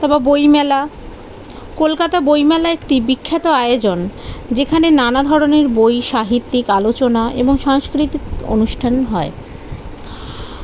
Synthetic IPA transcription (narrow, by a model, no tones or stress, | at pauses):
t̪ɔbabojmɛla | kolkat̪abojmɛlaekʈibikʰːat̪oajod͡ʑond͡ʑekʰanenanad̪ʱɔɾoneɾbojʃaɦit̪ːikalot͡ɕonaḛboŋʃaŋskɾit̪iko̰nuʃʈʰanɦɔe